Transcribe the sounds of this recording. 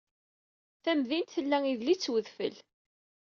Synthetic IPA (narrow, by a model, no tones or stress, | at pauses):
θæmðint̪θəlːæiðlit͡sːwəðfə̰l